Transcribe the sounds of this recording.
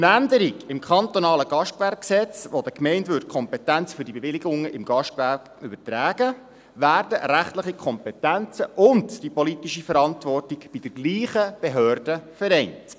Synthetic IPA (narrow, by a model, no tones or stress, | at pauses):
nændəɾikɪmkʰɑnt̪onɑːləɡ̥ɑʃtʋæɾkksɛt͡sʋodəkmɛɪntʋʏɾt̚kʰɔmpɛtænt͡sfʏɾdibeʋɪlɪɡʊŋəʔɪmɡɑʃʋærk | ʏbətræːɡ̥ə | ʋæːrdəɾæχtləχikʰɔmpɛtænt͡səʔʊndd̥ipɔlitiʃifəɾɑntʋɔrtɪɡb̥id̥ɛɾɡliːχəb̥ɛɦøːrd̥əfəɾɛɪnt